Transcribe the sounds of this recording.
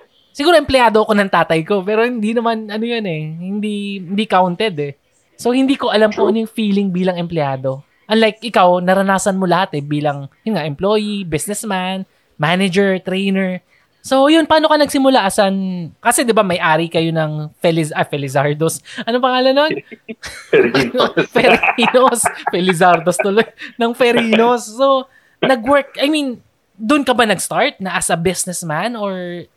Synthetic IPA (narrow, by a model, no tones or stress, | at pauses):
sɪɡuːɾoʔɛmplɛaːd̪o̞ʔɐko̞nɐŋt̪aːt̪ɐjko̞pɛːɾo̞hɪnd̪inɐmanʔɐnojonɛhɪnd̪ihnd̪ikawnt̪ɛd̪ɛ | so̞hɪnd̪iːko̞ʔɐlamponjʊŋfiːlɪŋbiːlɐŋɛmplɛaːd̪o̞ | ʔɐnlajk̚ʔɪkawnɐɾɐnaːsɐnmolɐhat̪ɛbiːlɐŋjʊnŋaʔɛmplo̞ːjibɪsnɛsman | maːnɛd͡ʒɛɹt̪ɾɛjnɛɹ | sojʊnpaːnokɐnɐɡsɪmʊlaʔɐsɐnkɐsɛd̪ɪbamɐjʔaːɾikɐjo̞nɐŋfɛlɪzɐfɛlɪzaɹd̪osʔɐnopɐŋaːlɐnon | fɛɾinosfɛlɪzaɾd̪ost̪ʊlojnɐŋfɛɾinosːo | nɐɡwɛɹk̚ajmin | d̪ʊʔnkɐbanɐɡst̪aɹt̪̚nɐʔɐsɐbɪsnɛsmanoɹ